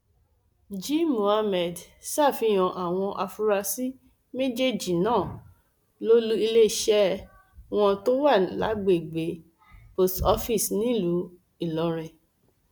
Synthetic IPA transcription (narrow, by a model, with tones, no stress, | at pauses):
d͡ʒĩ˦mõ˨a˧mɛ˨d | sa˦˨fi˧j̃ɔ̃˨ʔa˨w̃ɔ̃˧ʔa˧fu˧ɾa˧si˦ | me˦d͡ʒe˦˨d͡ʒi˨nãː˦˨ | lo˦lu˦i˧le˦˨ʃɛ˦ | w̃ɔ̃˧to˦wa˦˨la̰˨˦ɡ͡be˨ɡ͡be˨˦ | po˧˨stɔ˧˦fi˦˨snĩ˦lu˨˦ | i˦˨lɔ˨˦ɾɛ˨